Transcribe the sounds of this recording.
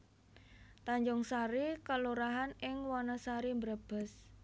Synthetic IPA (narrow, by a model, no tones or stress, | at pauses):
t̪aɲd͡ʒɔŋsaɾikəluɾaɦanɪŋwanəsaɾimbɾab̥ə̤s